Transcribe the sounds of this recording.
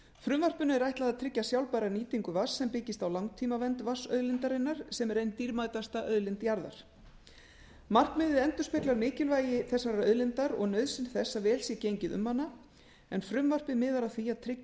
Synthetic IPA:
fɾʏmvar̥pʏnʏɛɾajht̪laðat̪ʰɾɪcːasjawlpajɾaniːt̪iŋkʏvasːɛmpɪcɪst̪awlawŋt̪ʰiːmavɛnt̪vasœ̰ðlɪnt̪aɾɪnːaɾ̥sɛmɛɾejnt̪iɾmaːjt̪ast̪aʔœðlɪnt̪jaɾða̰ɾ̥ | mar̥kmɪðɪðɛnt̪ʏ̥spɛt̪laɾmɪːcɪlvaːjɪθɛsːaɾœðlɪnt̪aɾɔ̰ɣnœɥðsɪnθɛsːavɛːlsjɛcejɲcɪðʏ̰mhanːa | ɛnfɾʏmvar̥pɪðmɪːðaɾaθiaðt̪ʰɾɪ

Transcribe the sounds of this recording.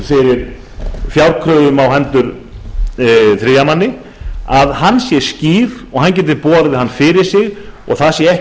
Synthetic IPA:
fɪɾɪɾ | fjawɾkʰɾœːðʏmawɦɛnt̪ʏɾ | θɾɪːjamanːɪ | aðɦanːsjɛsciːɾɔɣhancɛːt̪̬ɪɾpɔːɾðɪhanːfɪɾɪɾ̥sɪɣɔ̰ɣθaðsjɛɛh

